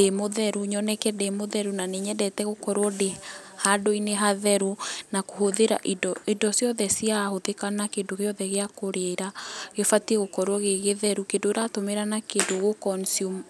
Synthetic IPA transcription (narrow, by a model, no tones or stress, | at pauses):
demoðɛɾuɲɔnɛkɛdemoðɛɾunaneɲɛdɛtɛɣokɔɾwɔdehadoineɦaðɛɾunakoɦoðeɾa̰ʔidɔidɔsjɔðɛsiahoðekanakendoɣeɔðɛɣeakoɾeːɾaɣefatiɛɣokɔɾwɔɣeɣeðɛɾukendoeɾatomeɾanakendoɣokɔnsio